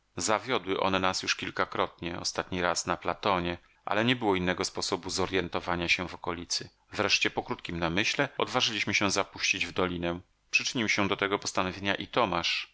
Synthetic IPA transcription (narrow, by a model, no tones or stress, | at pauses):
zavʲjɔd̪wɘʔɔ̰nɛnasjuʂkʲilkakɾɔt̪̚ɲɛɔ̰st̪at̪ɲiɾasnaplat̪ɔɲɛ | ʔa̰lɛɲɛbɘwɔinːɛɡɔspɔsɔbuzɔɾjɛnt̪ɔvaɲaɕɛ̃vɔkɔlʲit̪sɘ | vɾɛʂt͡ɕɛpɔkɾut̪kʲimnamɘɕlɛɔd̪vaʐɘlʲiɕmɘɕɛzapuɕt͡ɕid͡ʑvd̪ɔlʲinɛ̃ | pʂɘt͡ʂɘɲiwɕɛ̃d̪ɔt̪ɛɡɔpɔst̪anɔvʲjeɲaʔit̪ɔmaʂ